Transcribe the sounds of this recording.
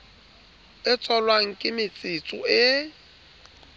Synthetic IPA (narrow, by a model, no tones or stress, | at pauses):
ɪt͡sʼɔlwaŋ̩kʼɪmɪt͡sʼɪt͡sʼʊɪ